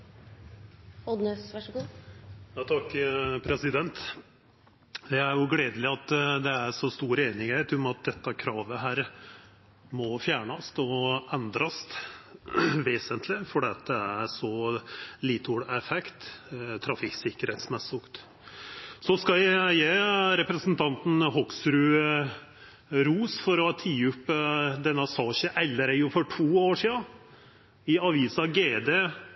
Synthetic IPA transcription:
ɔd̪nøsʋæʂɡuːjɑt̪ʰɑkːpʰɾɛsɪd̪ɛnt̪ | d̪ɛæɾjʊɡleːd̪əlɪɑt̪ːd̪ɛæɾʂɔst̪uːɾeːnɪŋhæt̪ʰʊmɑt̪̚d̪ɛt̪ːɑkʰɾɑːʋəɦæːɾ | mɔfjæːɳɑst̪ɔɛnd̪ɾɑst̪ | ʋeːsənt̪ʰlɪfɔɖiːɑt̪̚d̪ɛæɾsɔ | liːt̪ʰuɽæɾfɛkt̪t̪ʰɾɑfɪksɪkːəɾheːt̪smɛsʊkt̪ | sɔskɑjæjæɾɛpɾəsnt̪ʰɑnt̪n̩hɔksɾʉː | ɾuːsfɔɾɔt̪ʰiːʉpːd̪ɛnːɑsɑːɕəʔɛlːəɾəjʊfɔʈʰuːoːʂiːɑ | ɪɑʋiːsɑɡeːd̪eː

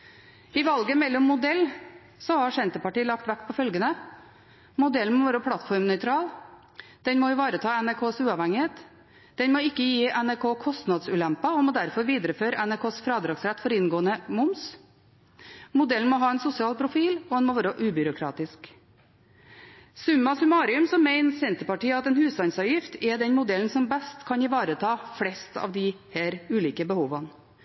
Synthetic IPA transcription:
ɪʋɑlɡəmɛlːɔmːʊd̪ɛlː | sɔhɑʂɛnt̪əpɑʈiːəlɑk̚t̪ʋækpʰɔfœlɡənə | mʊd̪ɛlən̩mɔʋɑːɾəpʰlɑt̪fɔɾmnœʏt̪ʰɾɑːl | d̪̥ɛnmɔjʊʋɑːɾət̪ʰɑːɛnæɾkʰoːsʉːɑʋhɛŋɪheːt̪ | d̪̥ɛnmɔɪkːəjiːʔɛnæɾkʰoːkʰɔst̪nɑd̪sʉːlɛmpɑɔmɔd̪æɾfɔɾʋiːd̪ɾəføːɾəʔɛnæɾkʰoːsfɾɑːd̪ɾɑːɡsɾɛt̪ːfɔɾɪnɡoːənəmʊms | mʊd̪ɛln̩mɔɦɑːɛnsʊsɪɑːlpʰɾʊfiːlɔd̪ɛnmɔʋɑːɾəʔʉːbʏɾʊkʰɾɑ̰ːt̪ɪsk | sʉmɑsʉmɑːɾɪʉmsɔmːeɪnsɛnt̪əɾpɑʈiːəɑt̪ɛːnhʉːsɑnsɑʋjɪft̪ʰɛɖ̪ɛnmʊd̪ɛln̩sɔmbɛst̪kʰɑnɪʋɑːɾət̪ʰɑːflɛst̪ʰɑ̰ːʋd̪ɪhæːɾʉːliːkəbəhuːʋɑn

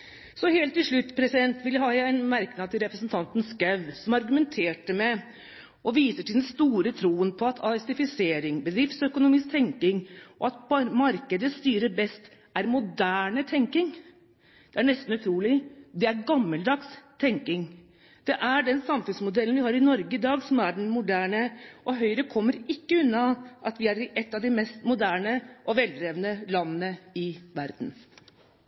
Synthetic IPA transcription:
sɔheːlt̪ːɪlʂɭʉt̪ːpʰɾɛsɪd̪ɛnt̪ʋɪljæhɑːjææɪnmæɾknɑt̪ʰɪlɾɛpɾəsn̩t̪ʰɑnt̪nskœʋsɔmɑɾɡʉmɛnt̪ʰeːʈəmɛ | ʔɔʋiːsəʈɪld̪ɛnst̪uːɾət̪ʰɾuːənpʰɔɑt̪ʰɑsɪfɪseːɾɪŋbəd̪ɾɪft̪sœkʊnʊmiːsk̚t̪ʰɛŋkɪŋʔɔɑt̪mɑɾkəd̪əst̪yːɾəɾbɛst̪ | ʔæɾmʊd̪æːɳət̪ʰɛŋkɪŋ | d̪̥ɛæɳɛst̪n̩ʉt̪ʰɾuːlɪd̪ɛæɾɡɑmːəld̪ɑɡst̪ʰɛŋkɪŋ | d̪̥ɛʔæɖɛnsɑmfʉnsmʊd̪ɛlənʋɪhɑːɾɪnɔɾɡəɪd̪ɑːɡsɔmæɖɛnmʊd̪æːɳəʔɔɦœʏɾəkʰɔmːəɾɪkːəʉnːɑʔɑt̪ʋɪæɾɪʔɛt̪ːɑʋd̪ɪmɛst̪mʊd̪æːɳəʔɔʋɛlɾeːʋənəlɑnːənəɪʋæɾd̪n̩

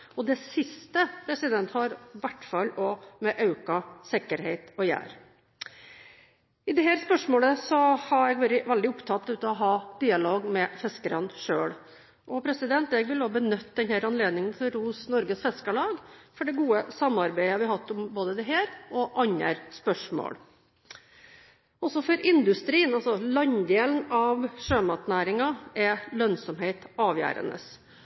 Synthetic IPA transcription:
ɔd̪ɛsɪst̪əpʰɾɛsɪd̪ɛnt̪hɑɾʋæʈːfɑlːɔmɛʔɑʉkɑsɪkːəɾheɪt̪ɔjæ̰ːɾ | ɪd̪ɛɦæːɾspœʂmoːləsɔhɑɾɛɡʋæːɾəʋɛld̪ɪʊpt̪ʰɑt̪ːʉːt̪əɔɦɑːd̪̥iːɑloːɡmɛfɛskəɾɑnʂøːɽ | ʔɔpʰɾɛsɪd̪ɛnt̪ɛɡʋɪloːbənœt̪ːd̪ɛnhæːɾɑnleːd̪nɪŋənt̪ʰɔɾuːsnɔɾɡəsfɛskəɭɑːɡfɔɖɛɡuːəsɑmːɑɾbæɪəʋɪhɑt̪ːɔmboːd̪əd̪ɛɦeːɾɔʔɑɲːæ̰ɾspœʂmo̰ːɽ | ɔsɔfɔɾɪnd̪ʉst̪ɾiːənɑlsɔlɑɲd̪eːlnɑʋʂøːmɑt̪næːɾɪŋɑɛlœnsɔmheɪt̪ɑːʋjæ̰ːɾə̰nə̰s

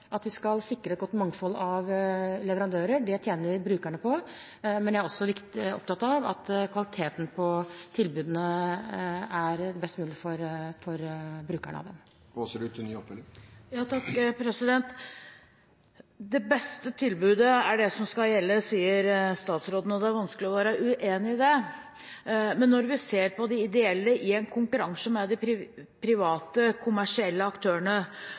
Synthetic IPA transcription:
ʔɑt̪ʋɪskɑlsɪkːɾəɛt̪ɡɔt̪ːmɑŋfɔlːɑʋlɛʋəɾɑnd̪øːɾəɖɛt̪ʰjeːnəɾbɾʉːkæɳəpʰɔ | mɛnjææɾɔsːɔʋɪkt̪ɔ̰pt̪ɑt̪ːɑʋɑ̰t̪kʰʋɑlɪt̪ʰeːt̪n̩pʰɔt̪ʰɪlbʉːd̪ənə | æɾbɛst̪əmʉːlɪəfɔɾfɔɾbɾʉːkæ̰ɳə̰ɑ̰ʋd̪ɛm | oːsəɖʉt̪ʰːɪnyːɔpʋɛlːɪjɑːt̪ʰɑkːpʰɾɛsɪd̪ɛnt̪ | d̪ɛbɛst̪ət̪ʰɪlbʉːd̪əæɖɛsɔmskɑljɛlːəsiːəɾst̪ɑːt̪sɾoːd̪n̩ɔd̪ɛæɾʋɑnsklɪɔʋæːɾəʔʉʔeːnɪd̪ɛ | mɛnːɔɾʋɪseːɾpʰɔd̪ɪɪd̪ɛɛlːəʔɪɛnkʰʊŋkʉɾɑŋsɔmɛd̪ɪɾɪpʰɾɪʋɑːt̪əkʰʊmæʂɪɛlːəɑkt̪ʰøːəɳə

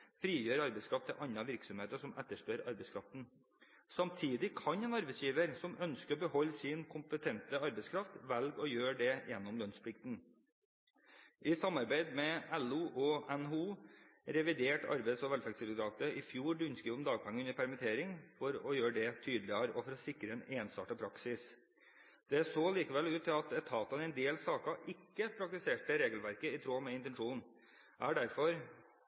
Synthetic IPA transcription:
fɾiːjøːɾɑɾbɛskʰɾɑft̪ɛʔɑɲːɑʋɪɾksɔmheːt̪əʂɔmæt̪ːəʂpøɾɑ̰ɾbɛɪskʰɾɑft̪n̩ | sɑmt̪ʰiːd̪ɪkʰɑɲɛːnɑɾbɛɪsjiːʋəɾsɔmœnskəɾɔbəhɔlːsɪnkʰʊmpət̪ʰɛnt̪əɑɾbɛɪskʰɾɑft̪ʋælɡɔjøːɖɛjɛnːɔmlœnspʰlɪk̚t̪n̩ | ʔɪsɑmːɑɾbæɪd̪mɛæluːʔɔɛnɦuːɾɛʋɪd̪eːʈɑ̰ɾbɛɪsɔʋɛlfɛɡsɪd̪ʊd̪ɾɑːt̪əɪfjuːɾɖʉnskiːʊmd̪ɑːɡ̚pʰɛŋːəʉnːəɾpʰæɾmɪt̪ʰeːɾɪŋfɔɾɔjøːɖɛt̪ʰyːd̪lɪɑɾɔfɔɾɔsɪkɾəɛneːnsɑ̰ːʈəpʰɾɑksɪs | d̪̥ɛsoːliːkəʋɛlʉːt̪ʰːɪlɑt̪ɛt̪ʰɑːt̪ɑɛɪnd̪eːlsɑːkɑʔɪkːəpʰɾɑk̚t̪ɪseːʈəɾeːɡəl̩ʋæɾkəɪt̪ʰɾoːmɛɪnt̪ɛnʂuːn | æːɖæɾfɔɾ

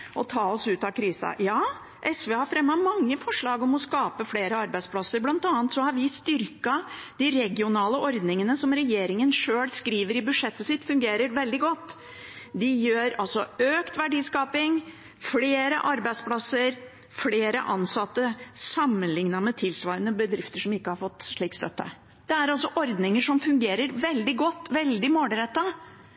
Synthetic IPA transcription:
ʔɔt̪ʰɑːɔsʉːt̪ɑkʰɾiːsɑ̰jɑː | ʔɛsʋeːhɑɾfɾɛmːɑmɑŋːəfɔʂɭɑːɡɔmɔskɑːpəfɽeːɾəɑɾbæɪspʰlɑsːəɾblɑnt̪ɑːnt̪sɔhɑɾʋɪst̪ʏɾkɑd̪̥ɪɾɛɡɪʊnɑːləʔɔɾd̪nɪŋənəsɔmɾɛjeːɾɪŋənʂøːlskɾiːʋəɾɪbʉʂɛt̪ːəsɪt̪ːfʉŋɡeːɾəɾʋɛld̪ɪɡɔt̪ː | d̪ɪjøːɾɑlsɔøːkt̪ʋæɖiːskɑːpɪŋ | fleːɾə̰ʔɑɾbæɪspʰlɑsəɾ | fleːɾə̰ʔɑnsɑt̪ːəsɑmːənlɪŋnɑmɛt̪ʰɪlsʋɑːɾənəbəd̪ɾɪft̪əʂɔmɪkːəhɑɾfɔt̪ːʂɭiːkst̪œ̰t̪ːə̰ | d̪̥ɛæɾɑlsɔʔɔɾd̪nɪŋəʂɔmfʉŋɡeːɾəɾʋɛld̪ɪɡɔt̪ːʋɛld̪ɪmoːɖ̪əɾɛt̪ːɑ

